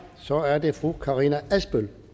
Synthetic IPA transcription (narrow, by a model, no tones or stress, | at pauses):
sɒ̽æɐd̥e̝fʁukʰɑ̈ʁinææsb̥øl